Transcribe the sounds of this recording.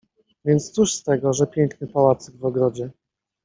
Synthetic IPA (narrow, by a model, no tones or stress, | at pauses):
vʲjɛnt̪st̪suʂst̪ɛɡɔʐɛpʲjɛŋknɘpawat̪sɛɡvɔɡɾɔd͡ʑɛ